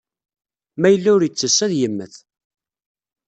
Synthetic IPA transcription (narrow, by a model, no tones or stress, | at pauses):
mæjəlːæʊɾjət͡sːəsːæðjəmːəθ